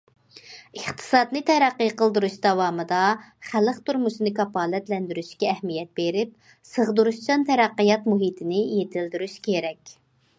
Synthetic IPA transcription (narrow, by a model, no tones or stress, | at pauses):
əχt̪ʰɨ̥sɑd̪nɨt̪ʰɛɾæqːəjqəlˠd̪uɾuʃd̪ɑwɑːmɨd̪ɑχæləqt̪ʰuɾmuʃɨnɨkɑpɑːlɛt̪lɛnd̪yɾyʃkʲɛːhmijɛt̪̚beɾɪp̚ | səʁd̪uɾuʃt͡ʃɑnt̪ʰɛɾæqːijɑt̪muɦit̪ʰɪnɪjet̪ʰɪld̪yɾyʃkʲʰeɾɛkʲ